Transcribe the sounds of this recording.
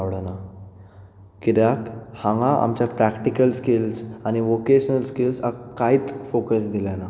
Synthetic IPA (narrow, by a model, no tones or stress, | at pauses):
aɽana | kit̪jakhãŋɡaʔa̰mt͡ɕjapɾækʈikəlskilsañiʋokeɕənəlskilsakːaiːt̪fokəsd̪ilana